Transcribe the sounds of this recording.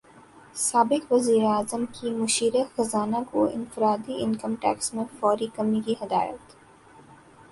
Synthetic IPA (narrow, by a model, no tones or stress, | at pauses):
saːbɪkʋɐziːɾeaːzəmkimʊʃiːɾexɐzaːnakoɪ̰̃nfɪɾaːd̪iɪ̃nkəmʈɛ̰ːksmẽfɔːɾikɐmikiɦɐd̪aːjə̰t̪